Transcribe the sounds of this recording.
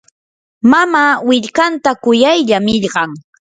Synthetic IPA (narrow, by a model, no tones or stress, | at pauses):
mamaːwɪʎkant̪akʊjajʎamɪʎɢɑŋ